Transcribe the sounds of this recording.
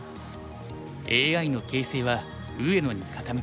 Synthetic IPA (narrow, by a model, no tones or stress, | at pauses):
eːɡaino̞ke̞ːse̞ːβa | ɯ̟e̞no̞ɲ̟ikʰat̪ame